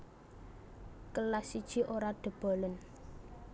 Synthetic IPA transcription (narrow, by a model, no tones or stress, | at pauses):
kəlasid̥ʒ̥iʔoɾaɖ̪̥ə̤b̥ɔ̤lən